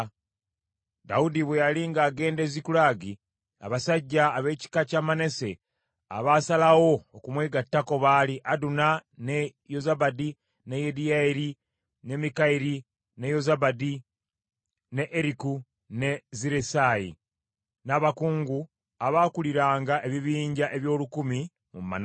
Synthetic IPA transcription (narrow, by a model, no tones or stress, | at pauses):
daudiβwejaliːŋɡaːɡe̞ːndezikulaːɡi | a̰βasaɟːaːβe̞ːci̥kacamane̞se̞ | a̰βaːsalawo̞ːkumweɡatːako̞βaːliʔadunane̞jozabadi | nejediaɾi | ne̞mikaiɾi | ne̞jo̞zabadi | ne̞ʔeɾiku | ne̞ziɾesaːjḭ | naːβakuːŋɡu | aβaːkuliɾaːŋɡaʔe̞βiβiːɲɟaʔe̞βjo̞ːlukumi | mṵmːa̰na